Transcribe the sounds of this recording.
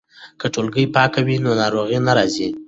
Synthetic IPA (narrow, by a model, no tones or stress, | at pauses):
kəʈolɡəjpɑkawinonɑɾoɣinaɾɑzi